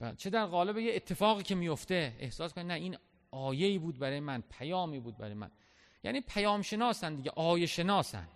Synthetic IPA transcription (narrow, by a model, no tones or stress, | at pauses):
bæt͡ʃʰe̞d̪æɾɣɒːle̞bejeːt̪ʰːe̞fɒːɣiːcʰe̞mijo̞ft̪e̞ḛhsɒːskoninæiːn | ɒːje̞iːbuːd̪̚bæɾɒːjemænpʰæjɒːmiːbuːd̪̚bæ̰ɾɒːjmæ̰n | jæ̰ːniːpʰæjɒːmʃe̞nɒːsænd̪iːɟḛʔɒːjeʃe̞nɒːsæ̰nd̪̥